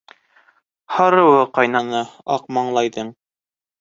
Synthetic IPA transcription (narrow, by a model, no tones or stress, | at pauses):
hɑɾɤ̆wɤqɑjnɑnɤɑqmɑɴlˠɑjðɤɴ